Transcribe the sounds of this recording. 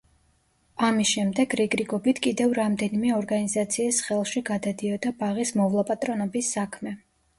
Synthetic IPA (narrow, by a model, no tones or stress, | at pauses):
amisʃɛmd̪ɛɡɾiɡɾiɡɔbit̪ʰkʼid̪ɛvɾamd̪ɛnimɛɔɾɡanizat̪sʰiːsχɛlˠʃiɡad̪ad̪iɔd̪abaʁismɔvlˠapʼat̪ʼɾɔnɔbisːakʰmɛ